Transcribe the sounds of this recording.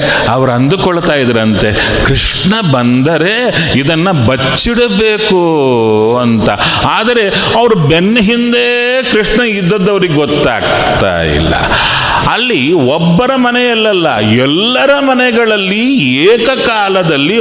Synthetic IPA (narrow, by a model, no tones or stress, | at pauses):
ɐʋɐɾɐnd̪ukɔɭɐt̪aːjid̪ɐɾɐnt̪e | kɾiʂ | ɳɐbɐnd̪ɐɾe̞ | id̪ɐnːɐbɐt͡ʃːiɽɐbeːku | ɐnt̪ɐ | aːd̪ɐɾe̞ | ɐʋɐɾubɛnːɐɦind̪e | kɾiʂɳɐid̪ːɐd̪ːɐʋɐɾiɡeɡɔt̪ːa̰ːɡ | t̪a̰ːjḭlːɐ̰ | ɐlːiɔbːɐɾɐmɐnɛjɐlːɐlːɐ̰ | ɛlːɐɾɐmɐnɛɡɐɭɐlːi | eːkɐkaːlɐd̪ɐlːi